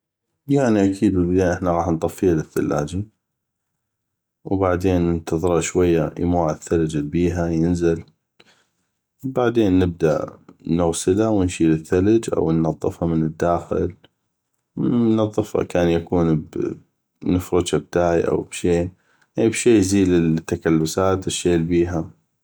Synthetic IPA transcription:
jaʕniʔakʰiːd̪wɪlbɪd̪aːʔɪħnaɣɑːħnt̪ˤɑfːiːalɪθːa̰lːa̰ːd͡ʒi | wbaʕd̪eːnːɪnt̪ɑðˤɨɾɑʃwajːaj̰muːʕaθːalad͡ʒɪlbiːɦajɪnzɪl | baʕd̪eːnːɪb̚d̪aʔnʊɣsɪlawɪnʃiːlɪθːalad͡ʒʔa̰wnːɑðˤːɨfhɑmɪnɪd̪ːaːxɪ̰l | nɑðˤːɨfha̰kaːnjakuːnb | nɪfɾɪdʃab̚t̪aːʕiʔa̰wbʃeː | ʔiːbʃeːjziːlɪlt̪ːakalːʊsaːt̪ɪʃːeːlbiːɦa

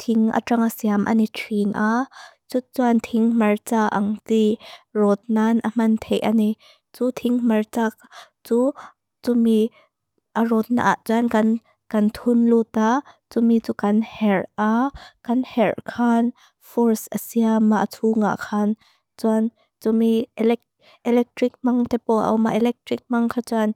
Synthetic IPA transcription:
t̪ʰɪŋʔɐ̰ʈ͡ʂɐŋasiamʔa̰nitʰinʔat͡sut͡suant̪ʰɪŋmɐrt͡saːʔɐŋtirɔt̪̚nanʔɐm̥ɐnt̪ʰɛjʔa̰ni | t͡sut̪ʰiŋmɐrt͡saː | t͡suː | t͡sumi | ʔarɔt̪̚na̰ʔa̰ʔt͡sankɐn | kɐnt̪ʰunlut̪at͡sumit͡sukɐnhɛrʔakɐnhɛrkʰan | fɔrsʔəsiamaʔtʰuŋa̰ʔkʰan | t͡suan | t͡sumiɛlɛ | ʔɛlɛk̚t̪rik̚mɐŋt̪ɛpɔʔɐ̰wma̰ʔɛlɛk̚trik̚maŋkʰat͡san

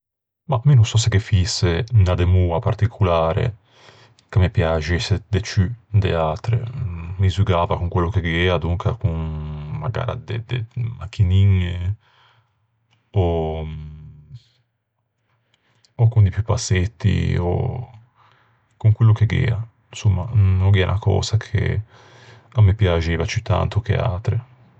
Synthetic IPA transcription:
maminonsɔsekːefisːenad̪emuːapart̪ikʰulaːɾḛ | kemipjad͡ʒesed̪et͡ʃyd̪ḛaːt̪ɾḛmizyɡaːvakuŋkwelːokeɡɛːad̪uŋkʰakunma̰ɡa̰ːɾa̰d̪ed̪emakʰːiniɲːe | o | okund̪ipjupaset̪ːḭo̰ | kuŋkwelːokeɡḛːa | nsomːanoɡiɛa̰nʔakɔ̰ːzakʰḛ | amːepjad͡ʒeːvat͡ʃyt̪ʰːa̰nt̪okḛa̰ːt̪ɾe

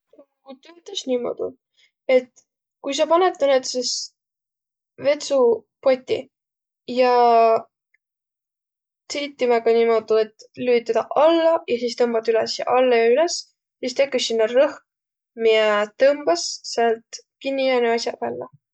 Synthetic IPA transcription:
kut̪øøt̪ˑɑsnʲimo̞̰d̪̥ṵ | e̞t̪ː | kujs̬ɑpɑnet̪ːˑɑnet̪sis | ve̞t̪supo̞t̪ʲːḭ | jɑ | tejt̪ːˑimɑɡɑnʲimod̪ulet̪lyːt̪ːˑɑd̪ɑʔɑlːɑjɑsist̪ɤmb̥ɑt̪ylɛsjɑ̰ʔɑlːɑjɑylɛs | sist̪e̞kːˑussinːɑrɤh | miet̪ɤmb̥ɑsseɑlt̪kinʲːiɑneɑsjɑvælːɑ̰

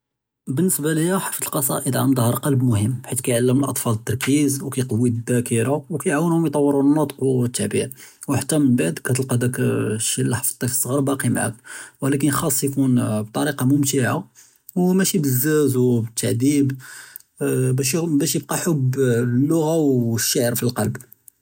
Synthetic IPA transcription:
bənːəsbaləjːæħaft̪əlqɑsˤɑ̰ʔəd̪ʕamd̪həɾˤqɑlbmʊhəmːbħit̪kæjʕalːəməlʔɑ̰t̪ˤfɑlət̪ːɑɾˤkizwkæjqɑwːid̪ːækəɾawkæjʕawːənhʊmjt̪ˤɑwːəɾunːut̪ˤə̥qwt̪ːaʕbḭʕwħat̪ːæmənbaʕd̪kæt̪əlqɑd̪ækʃilːaħfə̥t̪ˤːɑfisˤːɣɑɾˤbɑqimaʕa̰k̚wəlæk̬ənxɑsˤːjkunb̚t̪ˤɑɾiqɑmʊmt̪iʕa | wmæʃibəzːæzwbət̪ʰːaʕd̪ib | bæʃbæʃjəb̚qɑħʊblːʊɣawʃːaʕəɾfilqɑlb

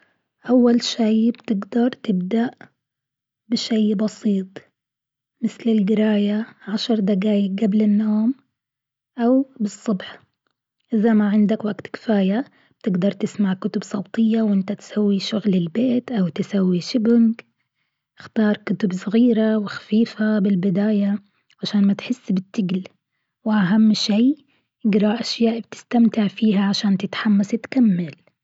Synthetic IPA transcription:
ʔawːalʃaːbt̪ɪɡd̪ɑɾˤt̪ɪbd̪aʔ | bɪʃaːbɑsiːt̪ˤ | mɪθlɪlɡɪɾaːjaʕaʃɑɾˤd̪aɡaːjɪɡablɪnːoːm | ʔawbɨsˤːʊbħ | ʔɪðamaʕɪnd̪akwaɡt̪kɪ̥faːja | b̥̚t̪ɪɡd̪ɑɾˤt̪ɪsmaʕkʊt̪ʊbsˤɑwt̪ˤɪjːawʔɪnt̪at̪sawːiʃʊɣlɪlbeːt̪ʔawt̪ɪsawːiʃʊbʊŋk | ɪxt̪ɑːɾˤkʊt̪ʊbsˤɪɣiːɾawɪxḁfiːfabɪlbɪd̪aːja | ʕaʃaːnmat̪ħɪsːbɪt̪ːɪɡl | wɪʔaɦamːʃiː | ʔɪɡɾˤɑʔʔaʃjaːʔbt̪ɪ̥st̪amt̪ɪʕfiːɦaʕaʃaːnt̪ɪt̪ħamːasɪt̪kamːal

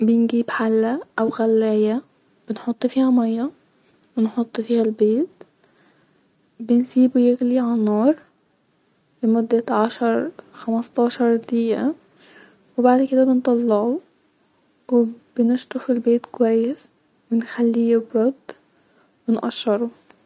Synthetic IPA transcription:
bɪnɡiːbħalːæʔæwɣælːæːjæ | b̥ɪnħot̪ˤːfiːhæmɑjːɑ | wɪnħot̪ˤːfiːhælbeːt̪̚ | bɪnsiːbujɪɣliʕanːɑːɾˤ | lɪmʊd̪ːaʕaʃɑɾˤxamɑst̪ˤɑːʃɑɾˤd̪iːʔa | wɪbaʕd̪kɪd̪abɪnt̪ˤɑlːɑʕu | wɪbɪnɪʃt̪ˤʊfɪlbeːt̪kwajːɪs | wɪnxalːiːbɾɑd̪ | wɪnʔa̰ʃːɑɾˤu

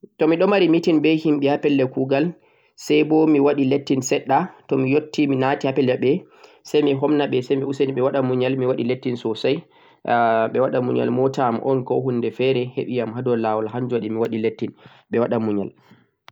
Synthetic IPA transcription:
tɔmiɗɔmaɾimitinbɛhimɓɛhapɛlːɛkuːɡal | sajbɔmiwaɗiletːinsɛɗːatɔmijotːiminatihapɛlːɛɓɛ | sajmiɦɔmnaɓɛsajmiusaniɓɛwaɗamuɲalmiwaɗiletːinsɔsaj | ɓɛwaɗamuɲa̰lmɔtamʔɔ̰nkɔɦunːdɛfɛɾɛhḛɓijamhadɔlawalɦaɲd͡ʒuaɗimiwaɗiletːin | ɓɛwaɗamuɲa̰l

